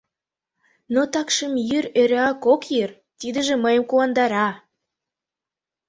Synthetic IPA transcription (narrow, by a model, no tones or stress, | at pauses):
not̪ɑkʃəmjyɾøɾeɑkokjyr | t̪id̪ə̆ʒĕməjə̆mkuɑnd̪ɑɾɑ